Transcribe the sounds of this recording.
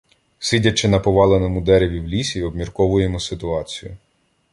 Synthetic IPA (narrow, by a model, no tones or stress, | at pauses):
sɪdʲɐt͡ʃːɪnɐpɔʋɑlˠenɔmʊd̪ɛɾeʋʲiwlʲisʲiɔbmʲirkɔʋʊjemɔsɪt̪ʊɑt͡sʲijʊ̰